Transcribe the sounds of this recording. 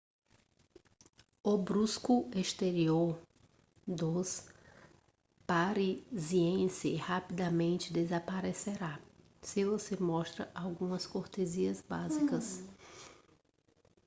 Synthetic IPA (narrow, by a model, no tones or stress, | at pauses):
ʊbɾuskʊest̪eɾioɾ | d̪os | paɾiziẽsɪhapid̪amẽnt͡ʃɪd̪ezapaɾeseɾa | sɪvosemɔst̪ɾɐʔawɡũmɐskoɾt̪eziɐzbazikɐs